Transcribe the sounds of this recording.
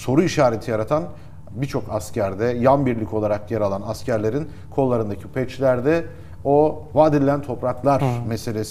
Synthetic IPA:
so̞ɾuiʃaːɾet̪ʰijaɾat̪ʰan | bit͡ʃʰo̞kascʰæɾd̪ɛjanbiɾlʲicʰo̞lˠaɾakjɛɾalˠanascʰæɾlʲe̞ɾin | kʰo̞lˠːaɾɯnd̪acʰipʰɛt͡ʃlʲæɾd̪ɛ | o̞vaːd̪ilʲːænt̪ʰo̞pɾaklˠaɾmese̞lʲes

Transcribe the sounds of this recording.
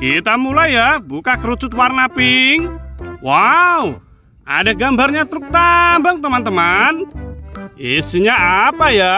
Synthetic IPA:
kit̪amulajjabukakəɾut͡ʃʊt̪̚warnapɪŋwau | a̰daɡambarɲat̪əɾʊk̚t̪ambaŋt̪əmant̪əman | isiɲaapaja

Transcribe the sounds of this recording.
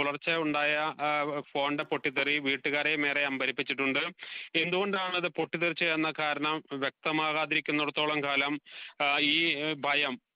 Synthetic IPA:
uɭɐrt͡ɕːɐuɳɖaːjɐfo̞ːɳɖɨpo̞ʈːit̪eriʋiːʈːuɣaːɾeme̞ːreɐmbʱɐɾipːit͡ɕːiʈːuɳɖɨe̞nd̪uɣo̞ɳɖaːɳɨɐðɨpo̞ʈːit̪erit͡ɕːɐjɐnːɐkaːɾɐɳɐmʋjek̚t̪ɐmaːɣaːðiɾikʲːunːuɽɐt̪ːo̞ːɭɐmkaːlɐm | iːbʱɐjɐm

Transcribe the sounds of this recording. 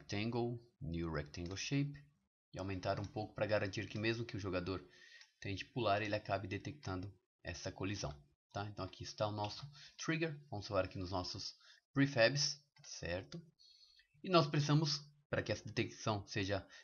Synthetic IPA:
k̚t̪ẽŋɡownuɾɛ̰k̚t̪ẽŋɡowʃejp | ɪawmẽnt̪aɾũpowkʊ̥pɾɐɡaɾɐ̃nt͡ʃiɾkɪmezmʊkɪʊʒoɡad̪oɾt̪ẽj̃d͡ʒɪ̥pulaɾelɪakabɪd̪et̪ek̚t̪ɐ̃nd̪ʊ | ɛ̰sɐkolizɐ̰̃w̃ | t̪aẽnt̪ɐ̃w̃akʰiɪst̪aʊnɔsʊt̪ɾiɡeɾvɐ̃mʊz̥folaɾakinʊznɔsʊspɾifɛbɪs | sɛ̰ɾt̪ʊ | ɪnɔspɾesizɐ̃mʊspɾɐkɪɛsɐd̪et̪eksɐ̃w̃seʒɐ

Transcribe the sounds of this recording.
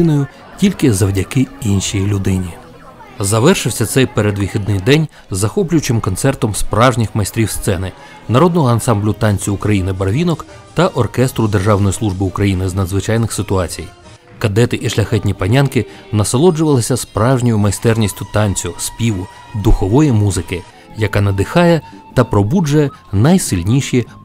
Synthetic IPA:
nɔjʊ | tʲilʲkɪzɐwdʲɐkɪinʃijilʲʊd̪ɪnʲi | zɐʋɛrʃɪwsʲɐt̪sɛjpeɾed̪ʋʲixʲid̪̚nɪjd̪ɛnʲ | zɐxɔplʲʊjt͡ʃɪmkɔnt̪sɛrt̪ɔmspɾɑwʒnʲɪxmɐjst̪ɾʲiwst̪sɛnɪ | nɐɾɔd̪nɔɦɔɐnsɑmblʲʊt̪ɑnʲt͡sʲʊʊkɾɐjinɪbɐɾʋʲinɔk | t̪ɐʔɔrkɛst̪ɾʊd̪erʒɑwnɔjislˠuʒbɪukɾɐjinɪznɐd̪zʋɪt͡ʃɑjnɪxsɪt̪ʊɑt͡sʲij | kɐd̪ɛt̪ɪʔiʃlʲɐxɛtʲnʲipɐnʲankɪ | nɐsɐlˠɔd͡ʒʊʋɐlˠɪsʲɐspɾɑwʒnʲɔjʊmɐjst̪ɛrnʲisʲtʲʊt̪ɑnʲt͡sʲʊspʲiʋʊ | d̪ʊxɔʋɔjimuzɪkɪ | jɐkɑnɐd̪ɪxɑjɛt̪ɐpɾɔbud͡ʒɐjɛ | nɐjsɪlʲnʲiʃji

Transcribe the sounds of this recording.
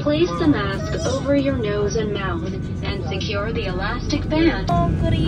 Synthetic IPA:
pʰl̥eɪsðəmæskoʊvə˞jə˞noʊzɨ̃nmaʊθ | ʔɨ̃nsɨkʰj̥ʊɹðiɨlæstɨk̚b̥æ̃nd̥ɡɾ

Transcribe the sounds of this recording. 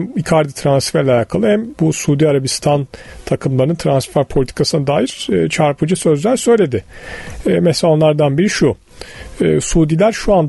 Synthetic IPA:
mikʰaɾd̪it̪ʰɾansfæɾlʲajaːkʰalˠɯhæmbusuːd̪iaɾabist̪ʰant̪ʰakʰɯmlˠaɾnɯnt̪ʰɾansfæɾpʰo̞lʲit̪ʰi̥kʰasɯnad̪aːjiɾ̥ːt͡ʃʰaɾpʰɯd͡ʒɯsø̞zlʲæɾsø̞jlʲe̞d̪ɪɛmɛslʲao̞nˠaɾd̪anbeɾiʃu | ɯːsuːd̪ilʲæɾʃuand̪

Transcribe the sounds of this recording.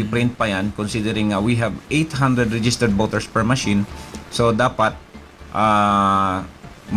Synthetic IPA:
ɪpɾɪnt̪̚pɐjankonsid̪ɛɾɪŋːɐwiɦɛbʔejt̪ɦand̪ɾɛd̪ɾɛd͡ʒɪst̪ɛɾd̪̚boːt̪ɛɹspɛɹmɐʃinsod̪aːpat̪̚ | ʔa | m

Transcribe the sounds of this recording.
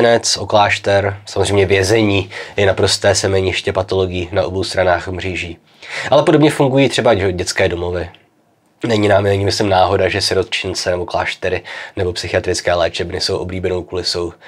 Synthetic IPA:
nɛt͡sʔo̞klaːʃt̪ɛɾsamozrejmɲɛvjɛzɛɲiːjɛnapɾo̞st̪ɛːsɛmɛɲɪʃcɛpat̪o̞lo̞ɡɪjiːnaʔobowst̪ɾanaːxmriːʒiː | ʔalɛpo̞dobɲɛfuŋɡujiːt̪r̝̥ɛbaoɟɛt͡skɛːdo̞mo̞vɪ | nɛɲɪnamnɛɲɪmɪslɪmnaːɦo̞daʒɛsɪɾo̞t̪t͡ʃɪnt͡sɛnɛbo̞kla̰ːʃt̪ɛɾɪnɛbo̞psɪxɪat̪ɾɪt͡skɛːlɛːt͡ʃɛbnɪsowʔo̞bliːbɛno̞wkuːlɪso̞w

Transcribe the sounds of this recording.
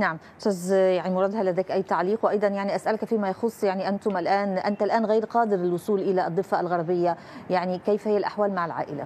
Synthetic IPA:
naʕam | sæzjaʕnimʊɾˤɑːd̪halːad̪æːkʔajːt̪aʕliːqwʔɑjd̪ˤɑnjaʕniʔasʔalkfiːmajɑxʊsˤːjaʕniʔant̪ʊmʔɪlʔaːnʔant̪alʔaːnɣejːɾqɑːd̪ɪɾɪlwʊsˤuːlʔɪlaʔd̪ˤːɨfːalɣɑɾˤbɪjːa | jaʕnikejfhɪjːalʔaħwaːlmaʕɪlʕa̰ːʔɪla̰

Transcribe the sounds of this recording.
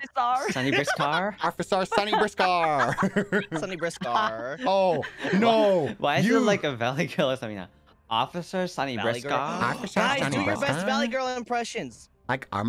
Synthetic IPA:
fɨsɑɹsʌ̃niɹɪskʰɑɹɑfɨsɑɹsʌñibɹɪskɑɹ | ssʌ̃nibɹɪskonowãjɨəlaɪkɨvælˠiɡɜ˞lˠəsʌ̃ɪ̃ŋða̰ | ɔ̰fɨsə˞sʌ̃ñiɹɪɑɹɔ̰fɨsəʌ̃niɛsvælˠiɡɜ˞l̃ˠmpʰɹ̥ɛʃɨ̃nz̥ | laɪkʰə̰m

